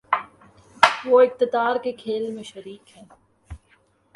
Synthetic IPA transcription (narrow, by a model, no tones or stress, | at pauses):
ʋoːɪk̚t̪ɪd̪aːɾkekʰeːlmẽʃɐɾiːkɦɛ̃ː